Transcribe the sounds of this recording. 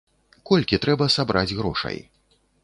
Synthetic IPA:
kɔlʲkʲit̪ɾɛbɐsabɾʔad͡zʲɣɾɔ̰ʂɐ̰j

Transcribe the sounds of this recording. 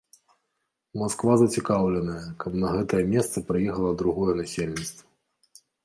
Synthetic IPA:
maskvazɐt͡sʲikawlʲɛnɐjɐkɐpnɐɣɛt̪ɐjɛmʲɛst̪sɨpɾɨjɛxɐlˠɐd̪ɾuɣɔjɛnasʲelʲnʲit̪st̪vɐ

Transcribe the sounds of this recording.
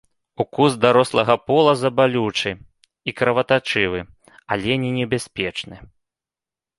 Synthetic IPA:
ukuzd̪aɾɔslˠɐɣɐpɔlˠɐzɐbalʲut͡ʂɨ | ikɾɐvɐt̪at͡ʂɨvɨ | alʲɛnʲinʲɛbʲasʲpʲɛt͡ʂnɨ

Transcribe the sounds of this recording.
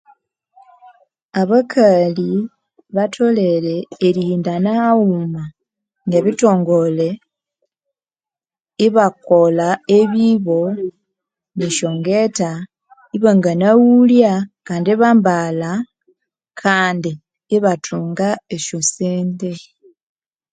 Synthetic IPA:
aβakʰali | βatʰo̞le̞ɾe̞ːɾihiːndanauma | neβito̞ːŋɡo̞le̞ | iβako̞laeβiβo̞ | niʃo̞ŋɡeta | iβaŋɡanawuljakaːndiβambala | kʰaːndiː | βatʰuːŋɡaeʃoseːnde

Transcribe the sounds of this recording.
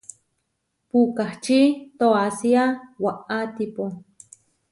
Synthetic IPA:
pukaht͡ʃit̪oasiawaʔat̪ipo

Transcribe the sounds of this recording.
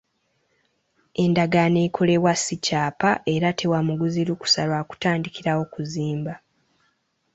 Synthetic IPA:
e̞ndaɡane̞kʰole̞βwasicaːpaʔe̞ɾatʰe̞wamuɡuziɾuku̥salwaːku̥taːndikiɾawo̞kuziːmba

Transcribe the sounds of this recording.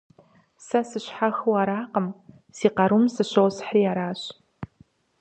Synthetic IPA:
sɐsɨɕħaxɨwaːɾaːqəm | siːqɐɾumsɨɕowsħriːaːɾaːɕ

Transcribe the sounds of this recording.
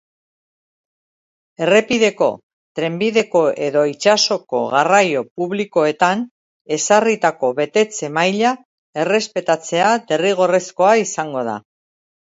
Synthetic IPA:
e̞re̞piðe̞ko̞̰ | t̪ɾe̞mbiðe̞ko̞e̞ðo̞it͡ʃaso̞ko̞̰ɣarajo̞puβliko̞e̞t̪an | e̞sarit̪ako̞βe̞t̪e̞t͡se̞majʎa | e̞re̞spe̞t̪at͡se̞ad̪e̞riɣ̞o̞re̞sko̞aisaŋɡo̞ð̞a̰

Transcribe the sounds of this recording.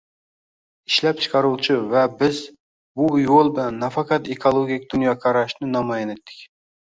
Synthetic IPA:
iʃlɛp̚t͡ʃʰɨ̥qʰɑɾuwt͡ʃʰivɛbɪz | bujolˠbɪlɛnːɑfɑqʰɑt̪ekʰolˠoɡʲik̚ʲd̪̥unjɑqʰɑɾɑʃnɪnɑmɑjɑnɪt̪ʰːɪ̥kʲ

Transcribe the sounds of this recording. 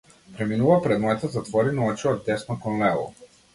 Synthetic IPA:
pɾɛminuvapɾɛd̪mɔɛt̪əzat̪vɔɾinɔɔt͡ʃiɔd̪ɛsnɔkɔnlɛlˠɔ̰

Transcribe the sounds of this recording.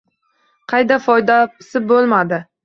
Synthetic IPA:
qʰɑjd̪afɒjd̪asɪbolˠmad̪ɪ

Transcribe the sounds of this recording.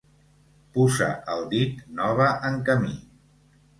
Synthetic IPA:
puzə̰ʔəlˠd̪it̪nɔβəʔəŋkəmi

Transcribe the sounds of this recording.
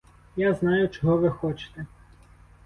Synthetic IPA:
jaznɑjʊt͡ʃɔɦɔʋɪxɔt͡ʃɪ̥t̪e

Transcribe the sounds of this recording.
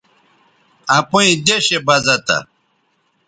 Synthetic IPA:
ɐpuĩd̪eɕebɐzɐt̪a̰

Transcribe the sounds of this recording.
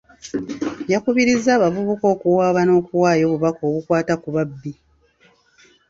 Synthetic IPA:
jakuβiɾizːaːβavuβuko̞ːkuwaːβano̞ːkuwaːjo̞ːβuβakoːβukwaːtakuβabːi

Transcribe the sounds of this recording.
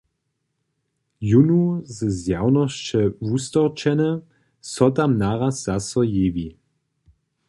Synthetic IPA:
junuzəzjawnɔst͡ʃɛvust̪ɔʁt͡ʃɛnɛ | sɔtamnaʁasz̥asɔjeːvi

